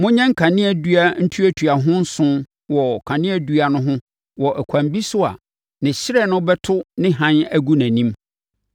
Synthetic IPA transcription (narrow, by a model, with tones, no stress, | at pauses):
mʊ̃˦ɲɛ̃˦ŋ̩˦kʰã˨nɪ̃˦æ˨dɥa˦n̩˦tʰu˦æ˦tʰu˨a˨ɦʊ̃˦n̩˦sʊ̃˦n | wɔ˨kʰã˨nɪ̃˦æ˨du˦a˨nʊ̃˦ɦʊ̃˦ | wɔ˨ʔæ˨kʷʰã˨mbi˦sʊ˦a̰˨ | nɪ̃˨ɕɪ˦ɾɛ˦˨nʊ̃˦bɛ˦tʰʊ˦nɪ̃˦ɦã˦næ˦ɡu˦næ̃˨nĩ˦m